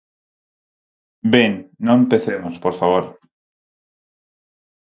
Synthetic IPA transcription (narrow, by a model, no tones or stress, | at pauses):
beŋnoempe̞θemospoɾfaβ̞oɾ